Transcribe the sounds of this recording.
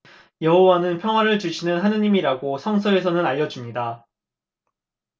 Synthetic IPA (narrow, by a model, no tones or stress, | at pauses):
jʌɦowanɯnpʰjʌŋɦwaɾɯɭt͡ɕuɕʰinɯnɦanɯɲimiɾaɡosʰʌŋsʰʌe̞sʰʌnɯnaʎːʌd͡ʑumɲida